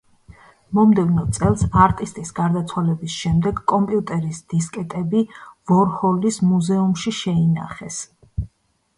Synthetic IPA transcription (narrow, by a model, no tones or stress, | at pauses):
mɔmd̪ɛvnɔt̪sʼɛlˠsaɾt̪ʼist̪ʼisɡaɾd̪at̪sʰwalɛbisʃɛmd̪ɛɡkʼɔmpʼiut̪ʼɛɾisd̪̥iskʼɛt̪ʼɛbivɔɾhɔlismuzɛumʃiʃɛina̰χɛs